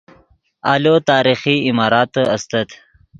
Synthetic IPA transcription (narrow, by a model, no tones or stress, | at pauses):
ɑːlot̪ɑːɾixiimɑːɾɑːt̪ɐst̪ɐt̪